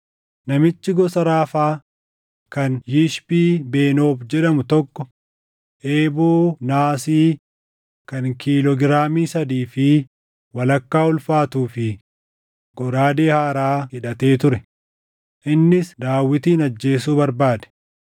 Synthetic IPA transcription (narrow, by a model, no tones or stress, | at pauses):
nɐmɪt͡ʃːɪɡɔsɐɾaːfaː | kɐnjɪʃbiːbe̞ːno̞ːbd͡ʒɛᶑɐmʊt̪ɔkːɔ | ʔeːboːnaːsiː | kɐnkiːlɔɡɪɾaːmiːsɐd̪iːfɪ | wɐlɐkːaːʊlfaːt̪uːfɪ | ɡ̥ɔɾaːd̪eːhaːɾaːhɪᶑɐt̪e̞ːt̪ʊɾɛ | ʔɪnːɪsd̪aːwːɪt̪iːnɐd͡ʒːe̞ːs̬uːbɐɾbaːd̪ɛ̥